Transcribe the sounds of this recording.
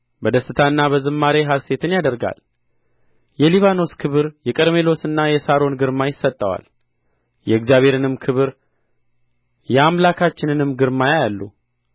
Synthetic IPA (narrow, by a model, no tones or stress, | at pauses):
bəd̪əsːɨt̪ʰaɨnːaβəzɨmːaɾeɦase̞t̪ʰɨnjad̪əɾɡa̰l | jɛliβano̞skʰɨβɨɾjɛkʼəɾme̞lo̞sɨnːajɛsaɾo̞nɡɨɾmajɪsːət̪ʼːəwa̰l | jɛɨkzijaβʱe̞ɾɨnɨmkʰɨβɨɾ | jɛamlakʰat͡ʃːɪnɨnɨmːɡɨɾmajajalːu